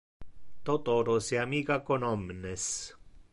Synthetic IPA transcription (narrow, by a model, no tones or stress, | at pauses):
t̪ot̪oɾosiamikakonɔmnes